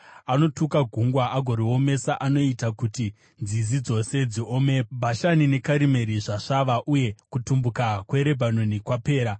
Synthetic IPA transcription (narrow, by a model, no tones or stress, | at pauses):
ano̞tukaɡʱuŋɡwaʔaɡʱo̞ɾio̞me̞saʔano̞itakuti | nzizid͡zo̞se̞d͡ziome̞bʱaʃanine̞kaɾime̞ɾiʐaʂaʋaʔuje̞kutumbukakwe̞ɾe̞bʱanonikwape̞ːɾa